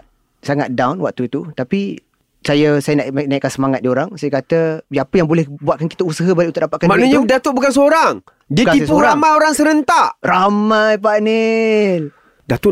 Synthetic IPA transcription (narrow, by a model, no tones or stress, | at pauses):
saŋat̪̚dawnwak̚t̪uit̪ut̪api | sajəsajənaʔak̚naikːansəmaŋat̪̚dioɾaŋsajəkat̪əapəjaŋbolɛhbuat̪̚kanki̥t̪əusaɦəbaliʔunt̪ʊk̚ʔdapat̪̚kanmanuɲədat̪uʔ̚bukansəoɾaŋ | diəispuɾamajoɾaŋsəɾənt̪aʔramajpanil | dat̪uʔ